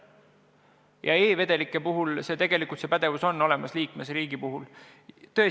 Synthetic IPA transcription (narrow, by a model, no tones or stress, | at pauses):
jɑ̰eːve̞d̪̥e̞likːˑepuɦulse̞ːt̪e̞ɡ̥e̞likˑult̪se̞pæd̪̥e̞vuso̞nːo̞le̞mɑsliːkme̞sɾiːɡ̥ipuɦul | t̪ø̞e